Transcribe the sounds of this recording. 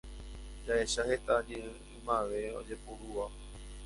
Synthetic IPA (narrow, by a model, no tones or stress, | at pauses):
d͡ʒaeʃahe̞t̪ad͡ʒe | imãʋe̞o̰d͡ʒepuɾua